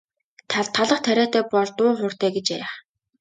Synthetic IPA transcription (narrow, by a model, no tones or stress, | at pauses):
t̪ʰaɮt̪ʰːaɮə̆χt̪ʰæɾʲæːt̪æːpɔɮt̪ʊːχʊr̥t̪æːɡet͡ɕæɾaχ